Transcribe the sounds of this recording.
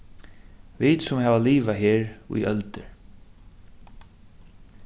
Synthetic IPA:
viːt̪sʊmɦɛːvaliːʋaɦeːɾṵjœlt̪ɪɹ

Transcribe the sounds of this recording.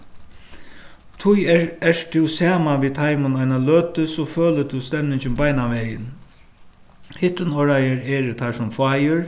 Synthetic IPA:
t̪ʰʊjɛʂt̪ʰɪwsaːmaʋiːt̪ʰajmʊnajnaløːt̪əsɔføːlət̪ʰʊwst̪ɛmnɪɲt͡ʃɪmbajnaʋɛːjɪn | hɪht̪ənɔɹajəɾɛːɾt̪ʰajʂʊmfaːjɪɾ

